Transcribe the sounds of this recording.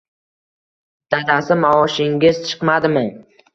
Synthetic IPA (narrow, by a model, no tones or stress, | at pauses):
d̪̥ad̪asɪmaɒʃɪŋʲɪz̥t͡ʃʰɨ̥qmad̪ɪmɪ